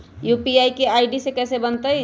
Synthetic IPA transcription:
juːpiaːikeaːɪɖisekɛːsebənt̪əj

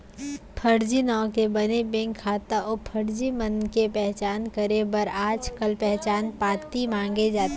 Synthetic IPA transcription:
pʰəɾd͡ʒinɔ̃ːkebənebẽŋkʰːaːt̪aʔopʰəɾd͡ʒimənkepɛɦt͡ʃaːnkəɾebəɾaːd͡ʒkəlpɛɦt͡ʃaːnpaːt̪imãːŋɡed͡ʒaːt̪

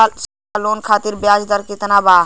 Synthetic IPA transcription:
s | loːnkʰaːt̪iɾbjaːd͡ʒd̪əɾkɪt̪naba

